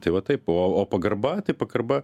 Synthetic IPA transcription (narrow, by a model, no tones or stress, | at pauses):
t̪ɐɪʋɐt̪ɐɪpoːoːpɐɡɐɾbɐt̪ɐɪpɐkɐrbɐ